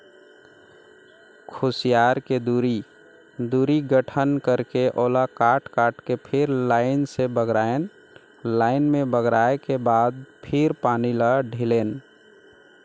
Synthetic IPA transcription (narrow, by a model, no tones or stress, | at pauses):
kʰosijaːɾked̪uːɾi | d̪uɾiɡəʈʰənkəɾkeʔoːlakaːʈkaːʈkepʰɪɾlaɪnsebəɡɾaen | laːɪnmẽbəɡɾaekebaːd̪̚pʰɪɾpaːniləɖʱileːn